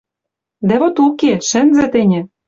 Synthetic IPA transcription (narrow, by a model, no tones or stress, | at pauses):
d̪ævot̪ukeʃɘ̆nzɘ̆t̪ɘ̆nʲɘ̆